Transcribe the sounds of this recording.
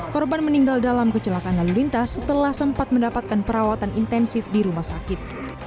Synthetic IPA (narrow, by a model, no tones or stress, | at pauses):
kɔrbanməniŋɡaldalamkət͡ʃəlakanalulint̪asːət̪əlahsəmpat̪̚məndapat̪̚kanpəɾawat̪anʔint̪ɛnsɪfdiɾumahsakɪt̪̚